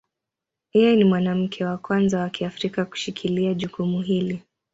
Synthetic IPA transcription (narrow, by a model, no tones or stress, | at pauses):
ijɛnimwanam̩kʰɛwakwanzawakiafɾikaku̥ʃikʰiliaʄukumuɦili